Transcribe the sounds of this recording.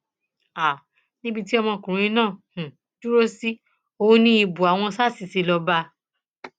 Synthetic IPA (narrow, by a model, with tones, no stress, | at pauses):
a˨ | nĩ˦bi˧ti˦ɔ˧mɔ̃˧kũ˨ɾũ˨˦ĩ˧nãː˦˨h̩˨ | du˦ɾo˦si˦ | o˧˦nĩ˦i˧bu˨a˨w̃ɔ̃˧sa˦˨si˨si˨˧˦lɔ˧ba˧